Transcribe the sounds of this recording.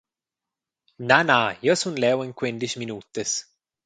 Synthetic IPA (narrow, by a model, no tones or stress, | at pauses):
nanajɔsunlɛweŋkwend̪iʃminut̪ːes